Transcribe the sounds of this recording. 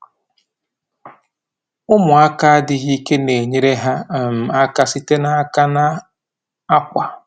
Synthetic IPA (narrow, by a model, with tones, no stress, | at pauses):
ʊ˦mʊ˨a˦ka˦a˦dɪ˨ɣi˦ke˦ne˨ɲe˦ɾe˦ɦa˦˨m̩˨a˦ka˦sɪ˦te˦na˦ka˦na˦ | a˦kʷa˨